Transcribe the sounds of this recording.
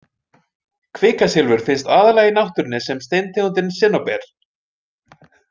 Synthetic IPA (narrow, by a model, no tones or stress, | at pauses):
kʰvɪːkasɪlvʏɾ̥fɪnst̪aːðalaːɣɪnawht̪ʏɾnːɪsɛmst̪ejnt̪ʰeɣunt̪̬ɪnsɪnːawpɛɾ̥